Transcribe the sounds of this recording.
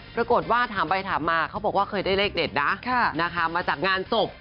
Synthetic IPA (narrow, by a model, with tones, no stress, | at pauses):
pɾa˧ko˨˩t̪̚waː˥˩t̪ʰaː˩˦mba˧jt̪ʰaː˩˦mːaː˧kʰa˦˥wbɔ˨˩kwaː˥˩kʰɤː˧jdaː˥˩jleː˥˩k̚de˨˩t̪̚na˦˥ʔkʰa˥˩na˦˥kʰa˦˥maː˧t͡ɕaː˨˩k̚ŋaː˧nso˨˩p̚